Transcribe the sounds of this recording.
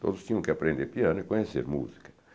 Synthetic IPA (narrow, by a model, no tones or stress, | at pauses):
t̪o̰ðust̪iuŋkeapɾɛnd̪eɾpjanekoɲɛsḛɾmṵzi̥kḁ